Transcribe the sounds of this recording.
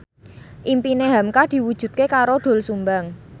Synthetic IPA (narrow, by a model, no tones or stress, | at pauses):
ʔimpineɦamkad̪̥i̤wud̥ʒ̥ṳt̪̚kekaɾoɖ̪̥o̤lsumbaŋ